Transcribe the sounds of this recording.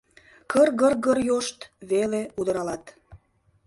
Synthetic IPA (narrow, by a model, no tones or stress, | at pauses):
kʰərɣərɣərjoʃt̪βeleud̪əɾɑlɑt̪